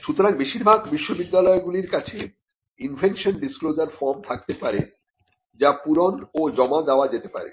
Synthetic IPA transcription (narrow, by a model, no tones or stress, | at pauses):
ʃut̪oɾaŋbeʃiɾbʱaɡbiʃːobid̪ːalɔeɡuliɾkat͡ɕʰe | infʰekʃonɖisklod͡ʑaɾfɔɾmt̪ʰak̚t̪epaɾḛ | d͡ʑapuɾonod͡ʑɔmad͡ʑaoad͡ʑet̪epa̰ɾḛ